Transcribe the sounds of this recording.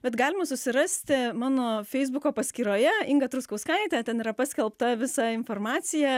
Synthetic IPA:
bʲɛt̪ɡɑːlʲɪmɐsʊsʲɪɾɑsʲt̪ʲɪmɑːnoːfʲɛɪzbʊkoːpɐsʲkʲiːɾoːjɛɪŋɡɐt̪ɾʊskɐʊskɐɪt̪ʲæːt̪ʲɛniːɾɐpɑːsʲkʲɛlˠpt̪ɐʋʲɪsɐɪnfoːrmɑːt̪sʲɪjɛ

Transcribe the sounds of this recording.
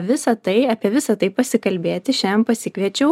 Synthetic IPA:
ʋʲɪsɐt̪ɐɪɐːpʲiɛʋʲɪsɐt̪ɐɪpɐsʲɪkɐlʲbʲeːt̪ʲɪʃʲæmpɐsʲɪkʋʲiɛt͡ʃʲɛʊ

